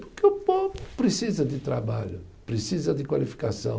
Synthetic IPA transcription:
pʊɾkeʊpovʊpɾesizɐd̪ɪt̪ɾabaʎʊ | pɾesizɐd̪ɪkwalifi̥kasɐ̰̃w̃

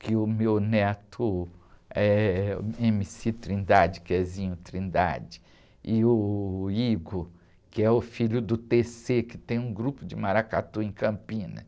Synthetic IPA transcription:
kɪʊmewnɛt̪ʰʊ | ɛ | ẽmisit̪ɾĩnd̪ad͡ʒɪkɪɛzĩɲʊt̪ɾĩnd̪a̰d͡ʒɪ̥ | ɪʊiɡʊ | kɪɛʊfiʎʊd̪ʊt̪esekɪt̪ẽj̃ũɡɾupʊd͡ʒɪmaɾaka̰t̪uẽj̃kɐ̃pĩnɐ̰

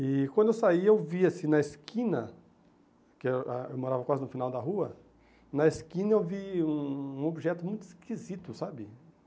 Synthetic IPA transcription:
ɪkwɐ̃d̪ewsaiewviasĩnɐeskʰĩnɐ | kɪaewmoɾavɐkwazɪnʊfinawd̪ɐɦuɐ | nɐeskĩnɐewviũũobiʒɛt̪ʊmũj̃t̪ʊiskʰizit̪ʊsabɪ

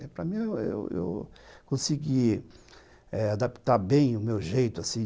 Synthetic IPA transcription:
ɛpɾɐmĩẽḛwḛwkõsiɡi | ɛad̪apt̪aɾbẽj̃ʊmewʒejt̪ʊasĩ

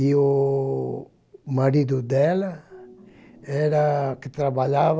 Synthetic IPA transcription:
io | maɾid̪ʊd̪ɛlɐ | ɛɾɐkɪt̪ɾabaʎav

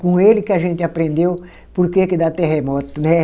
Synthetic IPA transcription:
kõelɪkɪaʒẽnt̪ɪapɾẽnd̪ew | poɾkekɪd̪at̪eɦemɔt̪ʊnɛ

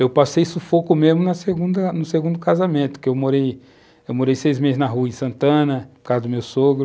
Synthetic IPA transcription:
ewpasejsʊfokʊmezmʊnɐseɡũd̪ɐnʊseɡũd̪ʊkazamẽnt̪ʊ̥kɪewmoɾej | ewmoɾejsejzmezɪznɐɦuɐɪ̃sɐ̃nt̪ɐ̃nɐkad̪ʊmewsoɡɾʊ

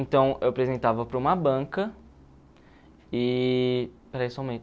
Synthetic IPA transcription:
ẽnt̪ɐ̃w̃ewɐpɾezẽnt̪avɐpɾɐũmɐbɐ̃kɐ | ɪ | pɾɐisʊãw̃mẽ

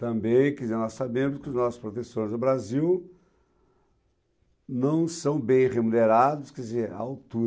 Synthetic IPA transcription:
t̪ɐ̃mbẽj̃kɪzɛnɔssabẽmʊskɪʊznɔsʊ̥spɾot̪esõɾɪzʊbɾaziw | nɐ̃w̃sɐ̃w̃bẽj̃ʁemuneɾad̪ʊskɛzea̰awt̪u

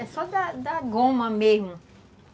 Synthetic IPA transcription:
ɛsɔd̪ɐd̪ɐɡõmɐmezmʊ

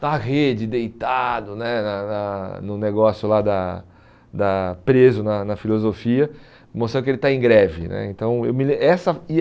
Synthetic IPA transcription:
nɐʁed͡ʒɪd̪ejt̪ad̪ʊnɛnɐnɐnʊneɡɔsjʊlad̪ɐ | d̪ɐpɾezʊnɐnɐfilozofiɐ | most̪ɾɐ̃kɪelɪt̪aẽɡɾɛvɪnɛ̰ẽt̪ɐ̃w̃ḛwmɪlẽɛsɐɪ

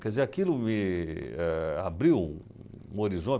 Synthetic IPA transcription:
kɛdzeɾakilʊmɪɛabɾiw | ũoɾizõ

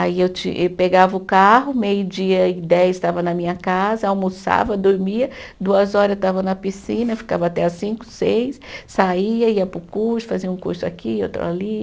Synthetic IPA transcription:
aiewt͡ʃḭ̃ewpeɡavɐʊkaɦʊmejʊd͡ʒiɐɪd̪ɛjzɪst̪avɐnɐmĩɲɐkazɐawmosa̰vɐd̪oɾmiɐd̪uɐzɔɾɐzet̪avɐnɐpisĩnɐfi̥ka̰vɐat̪ɛasĩkʊ̥sejssaiɐiɐpɾʊkuɾsʊ̥faziɐũkṵɾsʊa̰kiewt̪a̰vali

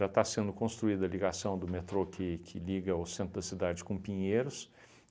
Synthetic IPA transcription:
ʒat̪asẽnd̪ʊkõst̪ɾuid̪ɐliɡasɐ̃w̃d̪ʊmet̪ɾokʰɪkʰɪliɡɐʊsẽnt̪ɾʊd̪ɐsid̪ad͡ʒɪkõpĩɲejɾʊs

